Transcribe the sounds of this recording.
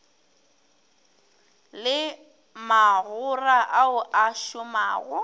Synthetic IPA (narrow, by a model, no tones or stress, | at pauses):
lɪ | maɣʊraʔaʊʔaʃʊmaːɣʊ